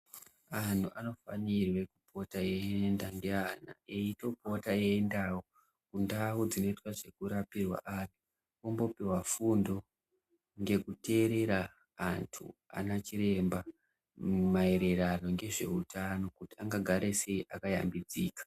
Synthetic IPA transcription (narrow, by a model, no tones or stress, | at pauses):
an̤tʰuʔano̞fa̰nirwe̞kupʰo̞taeendaŋɡe̞ana̰eito̞po̞taeːndawo | kundawud͡zino̞itwaʐe̞kuɾapirwa̰ʔan̤ʰu | ombo̞piwafundo̞ | ŋɡe̞kute̞ɾe̞ɾaː | ntʰṵa̰nat͡ʃiɾe̞mba | mae̞ɾerano̞ŋɡe̞ʐe̞utano̞kutiaŋɡaɡʱaɾe̞se̞iʔakaja̰mbid͡ziːkḁ